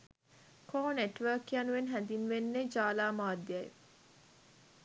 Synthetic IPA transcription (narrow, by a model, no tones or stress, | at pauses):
kʰoːneʈʋəːkiɐnuʋenɦænd̪inʋenːed͡ʒaːlaːmaːd̪ːiɐj̰